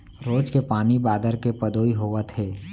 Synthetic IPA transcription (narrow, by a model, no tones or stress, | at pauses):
ɾoːd͡ʒkepaːnibaːd̪əɾkepəd̪oːiɦoːʋət̪ɦeː